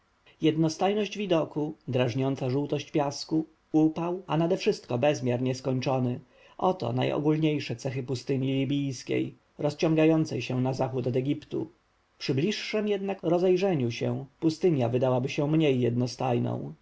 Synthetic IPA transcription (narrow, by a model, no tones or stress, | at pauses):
jɛd̪nɔst̪ajnɔʑd͡ʑvʲid̪ɔkud̪ɾaʐɲɔnt̪saʐuwt̪ɔɕt͡ɕpʲjasku | upawʔanad̪ɛfʂɘst̪kɔbɛzmʲjaɾɲɛskɔɲt͡ʂɔnɘ | ʔɔt̪ɔ̰na̰jɔ̰ɡulɲejʂɛt̪sɛxɘpust̪ɘɲilʲibʲijskʲḛj | ɾɔst͡ɕɔ̃ŋɡajɔnt̪sɛjɕɛnazaxut̪ɔd̪ɛɡʲipt̪ṵ | pʂɘblʲiʂːɛmjɛd̪nakɾɔzɛjʐɛɲuɕɛ̰̃pust̪ɘɲjavɘd̪awabɘɕɛ̃mɲejːɛd̪nɔst̪a̰jnɔ̰̃w̃